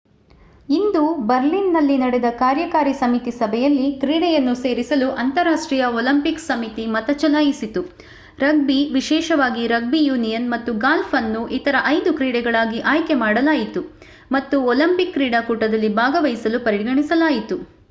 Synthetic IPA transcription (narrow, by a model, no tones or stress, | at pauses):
ind̪ubɐɾlinːɐlːinɐɽɛd̪ɐkaːɾjɐkaːɾisɐmit̪isɐbʱɛjɐlːikɾiːɽɛjɐnːuse̞ːɾisɐluʔɐnt̪ɐɾaːʂʈɾiːjɐoːlɐmpiksɐmit̪imɐt̪ɐt͡ʃɐlaːjisit̪u | ɾɐɡ̚biʋiʃɛːʃɐʋaːɡiɾɐɡ̚bijuːnijɐnmɐt̪ːuɡaːlfʰɐnːuʔit̪ɐɾɐʔɐjd̪ukɾiːɽɛɡɐɭaːɡiʔaːjkɛmaːɽɐlaːjit̪u | mɐt̪ːuoːlɐmpikːɾiːɽakuːʈɐd̪ɐlːibʱaːɡɐʋɐjisɐlupɐɾiɡɐɳisɐlaːjit̪u